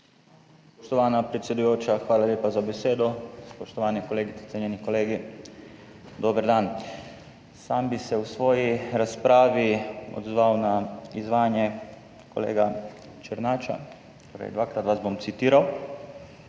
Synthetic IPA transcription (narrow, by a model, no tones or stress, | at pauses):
spoʃt̪oʋaːnapɾet̪sjed̪ujoːt͡ʃaxʋaːlaljeːpazabeseːd̪ospoʃt̪oʋaːnɛkoleːɡit̪sɛ̥sʲeɲjenikoleːɡi | d̪oːbəɾd̪aːn | saːmbisɛusʋoːjiɾaspɾaːʋio̰d̪zʋawnaizʋaːnje | ko̰lḛːɡa | t͡ʃəɾnaːt͡ʃa̰ | t̪oːɾa̰jd̪ʋaːkɾat̪ʋasbomt̪sit̪iːɾaw